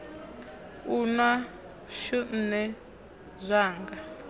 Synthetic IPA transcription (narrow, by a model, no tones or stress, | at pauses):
unwa | ʃun̩nɛ | zʷaːŋɡa